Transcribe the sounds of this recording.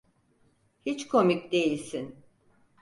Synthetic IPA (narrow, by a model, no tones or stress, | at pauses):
hit͡ʃkʰo̞micd̪e̞jilʲsin